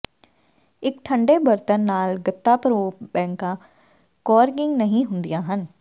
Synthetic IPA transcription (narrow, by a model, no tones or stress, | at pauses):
ɪkʈʰəɳɖeːbəɾt̪ənːaːlɡət̪ːaːpəɾoːbɛ̃ːŋkãː | kɔːɾɡɪŋɡnəɦĩːɦʊnd̪ɪjãːɦən